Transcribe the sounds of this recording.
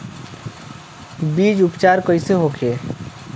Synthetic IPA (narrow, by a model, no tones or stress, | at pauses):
biːd͡ʒʊpt͡ʃaːɾkoiseɦokʰeː